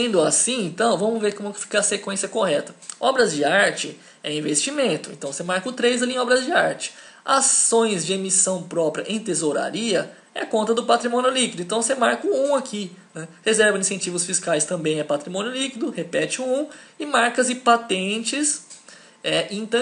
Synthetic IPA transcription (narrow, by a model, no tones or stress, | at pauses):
ẽnd̪ʊasĩẽnt̪ɐ̃w̃vɐ̃mʊzveɾkõmɛkɪ̥fi̥kɐɐsekwẽsjɐkohɛt̪ɐ̥ɔbɾɐzd͡ʒɪaɾt͡ʃɪ | ɛĩvest͡ʃimẽnt̪ʊḛ̃t̪ɐ̃w̃semaɾkʊt̪ɾejzalĩẽɔbɾɐzd͡ʒɪaɾt͡ʃɪ̥ | asõj̃zd͡ʒɪemisɐ̃w̃pɾɔpɾiɐʔẽj̃t̪ezoɾa̰ɾiɐ | ɛ̰kõnt̪ɐd̪ʊpat̪ɾimõnjʊlikid̪ʊẽt̪ɐ̃w̃semaɾkʊũakinɛhezɛɾvɐ̃ĩsẽt͡ʃivʊsfiskajst̪ɐ̃mbẽj̃ɛpat̪ɾimõnjʊlikid̪ʊhepɛt͡ʃɪũũɪmaɾkɐzɪpat̪ẽt͡ʃɪs | ɛʔĩt̪ɐ̃